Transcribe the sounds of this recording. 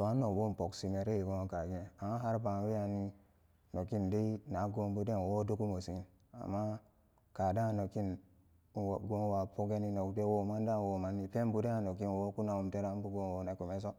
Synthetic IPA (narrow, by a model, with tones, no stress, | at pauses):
to˨a˦no˨kbo˦m˨po˨ksi˨me˨ɾe˦i˨ɡo˦ŋo˦ka˨ɡi˦e˨a˨ma˦ɦa˦ɾba˨˦wi˦a˨ni˦ | no˨ki˦nde˦i˦na˨˦ɡo˦mbu˦de˦n˨wo˦do˦ku˦mo˨si˨˦n | a̰˨mːa˦ | ka˨da˦˨no˨ki˦n˨ | ɡo˦nwa˨po˦ɡe˦ni˦no˨kde˦wo˨ma˦n˦da˦˨wo˨ma˦ni˨pe˦m˦bu˦de˦a˨no˨ki˦n˨wo˦ku˦na˨wu˨mte˦ɾa˦m˦bu˦ɡo˦nwo˨na˨ku˨me˦s̬o˦